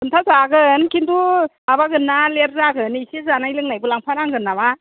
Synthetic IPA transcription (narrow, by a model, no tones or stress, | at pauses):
pʰɯntʰazaɡɯnkʰind̪u | abaɡɯnːaleɾzaɡɯnisezanailɯŋnajbulaŋpʰaɾaŋɡɯnːaba